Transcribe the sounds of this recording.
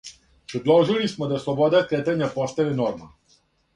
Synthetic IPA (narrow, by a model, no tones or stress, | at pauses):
pɾɛd̪lɔwʒilismɔd̪aslˠɔbɔd̪akɾet̪ɛnjapɔst̪aʋinɔɾma